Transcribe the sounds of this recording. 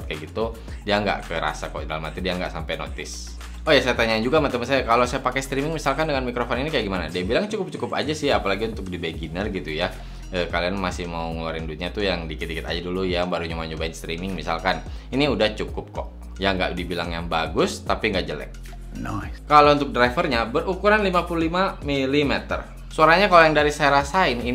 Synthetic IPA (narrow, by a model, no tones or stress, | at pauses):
t̪kaɡit̪u | diaŋɡa̰ʔkəɾa̰sakɔ̰ʔdaləmat̪idiaŋɡaʔsampajno̰t̪ɪs | ojasajat̪aɲaːnd͡ʒuɡamat̪amansajakalowsajapakɛst̪ɾimɪŋmisalkandəŋanmikɾofɔninikajaɡimanadiabilaŋt͡ʃukʊp̚t͡ʃukʊpa̰d͡ʒasɪhapalaɡiunt̪ʊk̚dibeɡinərɡit̪uja | əkalianmasɪhmauŋulaɾɪndut̪̚ɲat̪ujaŋdikit̪ikit̪a̰d͡ʒadulujabaɾuɲumaɲubaɪnst̪ɾimɪŋmisa̰lkaniniudaht͡ʃukʊp̚kɔʔ | jaŋɡa̰ʔdibilaŋjaŋbaɡʊst̪apiŋɡaʔd͡ʒəlɛ̰k̚ | nakalaunt̪ʊk̚dɾafərɲabərukuɾanlimapululimamilimɛt̪ə̰r | suaɾaɲakalojaŋdaɾisajaɾasaɪnin